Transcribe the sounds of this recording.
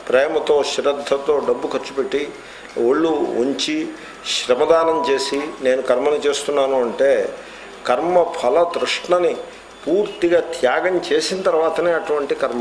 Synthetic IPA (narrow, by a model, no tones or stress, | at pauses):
pɾɛːmɐt̪o̞ːʃɾɐd̪ʱːɐt̪o̞ːɖɐbːukɐɾt͡ʃːupeʈːi | oɭːuuɲt͡ʃi | ʃɾɐmɐd̪aːnɐmt͡ʃe̞ːsine̞ːnukɐɾmɐnit͡ʃe̞ːst̪unːaːnuɐɳʈeː | kɐɾmɐpʰɐlɐd̪ɾuʂʈɳɐni | puːɾt̪iɡaːt̪ʰjaːɡɐmt͡ʃe̞ːsinɐt̪ɐɾʋaːt̪ɐne̞ːɐʈuʋɐɳʈikɐɾmɐ